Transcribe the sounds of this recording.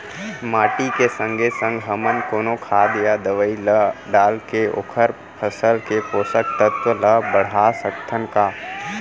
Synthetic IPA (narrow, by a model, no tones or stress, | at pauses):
maːʈikesə̃ŋɡʱesə̃ŋɡɦəmənkoːnokʰaːd̪jad̪əʋəiləɖaːlkeo̰ːkʰəɾ | pʰəsəlkepoːsək̚t̪ət̪ʋələbəɽ̤asəkt̪ʰənkaː